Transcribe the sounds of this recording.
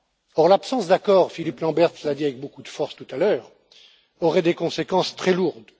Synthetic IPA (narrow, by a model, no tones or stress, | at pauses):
ɔʁlapsɑ̃sd̪akɔʁfiliplɑ̃bɛʁt̪lad̪iavɛk̚bokud̪əfɔʁst̪ut̪alœːʁ | ɔʁɛd̪ekɔ̃sekɑ̃st̪χɛluʁd̪